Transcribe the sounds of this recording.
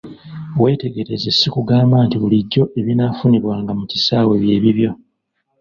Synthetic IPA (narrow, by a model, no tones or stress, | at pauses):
we̞ːte̞ɡe̞ɾezesikuɡaːmbantiβuliɟːo̞ʔe̞βinafuniβwaːŋɡamucisaːwe̞βje̞ːβiβjo̞